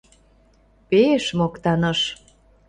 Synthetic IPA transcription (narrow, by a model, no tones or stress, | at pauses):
peeʃmokt̪ɑnɤ̆ʃ